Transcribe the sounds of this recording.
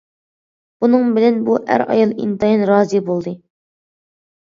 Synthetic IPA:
b̥unɨŋbɪlɛnbuæ̰ɾɑ̰jɑlˠḭnt̪ɑjinɾɑːzibolˠd̪ɨ

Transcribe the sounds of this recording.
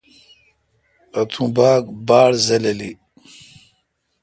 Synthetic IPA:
ɐt̪ʰũbaːɡbaːɽzɐleli

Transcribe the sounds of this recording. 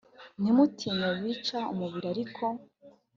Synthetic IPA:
nimutʰiɲawiːt͡ʃaṵmuβiɾaɾikʰo

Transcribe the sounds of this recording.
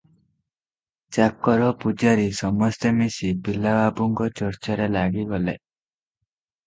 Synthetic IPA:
t͡ʃakːɔɾɔpud͡ʒaɾisɔmɔst̪emisibilawabuŋkɔt͡ʃɔɾt͡ʃaɾelaɡiɡɔlḛ

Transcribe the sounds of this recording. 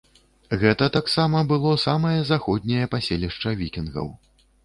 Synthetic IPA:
ɣɛt̪ɐt̪aksamɐbɨlˠɔsamɐjɐzaxɔd̪ʲnʲɐjɐpasʲelʲiʂt͡ʂɐvʲikʲinɣɐ̰w

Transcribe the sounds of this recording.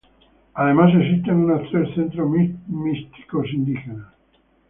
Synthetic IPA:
aðemas̬es̬ist̪enunat̪ɾeɾθent̪ɾomist̪i̥kos̬ind̪ixena

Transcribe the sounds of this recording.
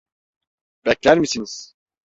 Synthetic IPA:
b̥ɛclʲæɾmisiniz̥

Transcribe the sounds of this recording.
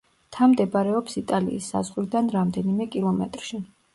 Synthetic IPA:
t̪ʰamd̪ɛbaɾɛɔpsit̪ʼalḭːsːa̰zʁwɾid̪anɾamd̪ɛnimɛkʼilˠɔmɛt̪ʼɾʃi

